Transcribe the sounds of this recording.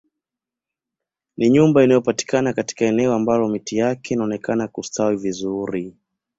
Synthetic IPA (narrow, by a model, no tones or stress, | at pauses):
niɲumbainajɔpati̥kanakati̥kaɛnɛɔambalɔmitijakɛinaɔnɛkanakustawivizuɾi